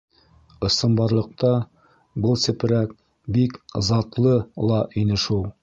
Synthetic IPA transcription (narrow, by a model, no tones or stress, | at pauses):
ɤ̆sɤ̆mbɑɾlˠɤ̆q̚t̪ɑ | bɤlˠsɘ̆p̆ɾæk̚ | bikzɑt̪lˠɤlˠɑʔinɘʃulˠ